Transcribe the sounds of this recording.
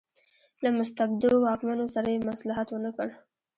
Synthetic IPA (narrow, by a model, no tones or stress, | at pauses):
lamʊst̪abd̪owɑkmanosaɾajemaslɑɦat̪wənakəɽ